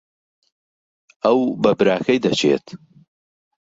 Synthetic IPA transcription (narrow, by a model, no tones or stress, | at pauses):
ɐwbɐbɨɾaːkʰɐjd̪ɐt͡ʃʰḛːt̪